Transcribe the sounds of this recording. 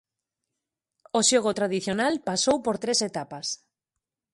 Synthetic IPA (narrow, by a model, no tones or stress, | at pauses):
oʃoɣot̪ɾaðiθjonalpasowpoɾt̪ɾeset̪apas